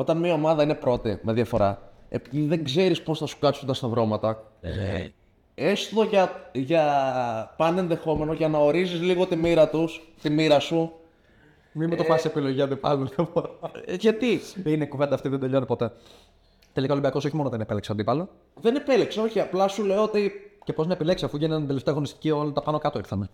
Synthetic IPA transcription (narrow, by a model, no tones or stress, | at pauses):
o̞t̪ɐnmiɐo̞mɐðɐine̞pɾo̞t̪ime̞ðjɐfo̞ɾɐḛpiðiðe̞ŋɡze̞ɾispo̞sθɐsu̥kɐsund̪ɐst̪ɐðɾo̞mɐt̪ɐ | e̞sðo̞ʝɐʝɐ | pɐne̞nðe̞xo̞me̞noʝɐnɐo̞ɾizizliɣo̞t̪imiɾɐt̪ust̪imiɾɐsu | mimut̪opɐsepiloʝiɐnd̪ipɐ̰lopoʝɐt̪iinekuvend̪ɐːft̪iðend̪e̞ʎo̞nipo̞t̪e̞ | t̪e̞likaɐo̞libiɐko̞so̞çimo̞noðenepelikseɐnd̪ipɐlo | ðenepe̞likseo̞çiɐplɐsule̞oot̪icepo̞znɐepile̞ksisɐfuʝɐnnd̪eleft̪eɐɣo̞nist̪i̥ciolit̪ɐpɐno̞kɐt̪oiɾθɐne